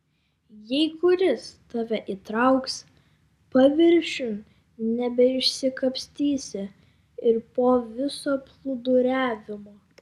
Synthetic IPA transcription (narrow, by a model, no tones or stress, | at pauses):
jɛɪkʊɾʲɪst̪ɑːʋʲɛʔit̪ɾɐʊks | pɐʋʲɪɾʲʃʲʊn | nʲɛbʲɛɪʃʲsʲɪkɐpʲsʲt̪ʲiːsʲɪ | ɪɾpoːʋʲɪsoːplˠʊd̪ʊɾʲæːʋʲɪmoː